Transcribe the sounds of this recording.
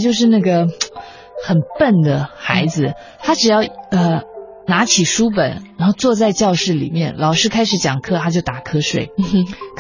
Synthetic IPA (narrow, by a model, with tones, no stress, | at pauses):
t͡ɕjo˥˧ʊʂ̬ɻ̩˥˧na˥˩ɡə˩ | xə˨˩npə˥˩nd̪ə˩xa˧˥ɪd͡zɹ̩˧ | t̪ʰa˥ʈ͡ʂɻ̩˨˩jɑ˥˩ʊə˥˧ | na˧˥t͡ɕʰi˨˩ʂu˥p̬ə̰˨˩˦nɻa˧˥nxo˥˧ʊt͡swɔ˥˧t͡sa˥˧ɪt͡ɕjɑ˥˧ʊʂɻ̩˥˩lḭ˨˩mjɛ˥˩nlɑ˨˩ʊʂɻ̩˥kʰa˥ɪʂɻ̩˧˥t͡ɕjɑ˨˩ŋkʰɤ˥t̪ʰa˥t͡ɕjo˥˩ʊt̪a˨˩kʰɤ˥ʂwḛ˨˩ɪkʰ